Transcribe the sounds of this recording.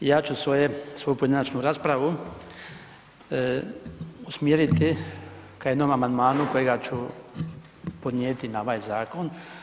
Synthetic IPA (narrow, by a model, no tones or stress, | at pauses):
jaːt͡ʃusʋojesʋo̞jupoed̪enat͡ʃnuɾaːspɾaʋu | usmjeɾit̪ikaje̞d̪nomamand̪maːnuko̞jeɡat͡ɕu | po̞d̪nʲjeːt̪inaoʋaːjzaːko̞n